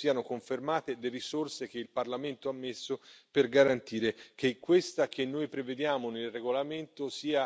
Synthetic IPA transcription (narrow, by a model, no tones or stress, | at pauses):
siːanokoɱfermaːt̪ed̪erisorsek̟eilparlament̪oamːesːoperɡaɾant̪iːɾekekːwest̪ak̟enːojpɾeved̪jaːmonelreɡolament̪osiːa